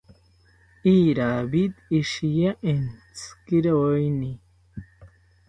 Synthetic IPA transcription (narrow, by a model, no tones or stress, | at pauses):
iːɾabid̪iʃijaʔent͡skiɾeojni